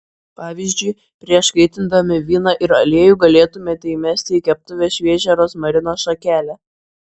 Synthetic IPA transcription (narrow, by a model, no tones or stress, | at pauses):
pɑːʋʲizʲd͡ʒʲʊɪ | pʲɾʲiɛʃkɐɪt̪ʲɪnd̪ɐmʲɪʋʲiːnɐʔɪɾɐlʲeɛjuːɡɐlʲeːt̪ʊmʲeːt̪ʲɛɪmʲɛsʲt̪ʲɪikʲɛp̚t̪ʊʋʲeːsʃʲʋʲeːʒʲɛɾoːsmɐɾʲɪnoːsʃɐkʲæːlʲɛ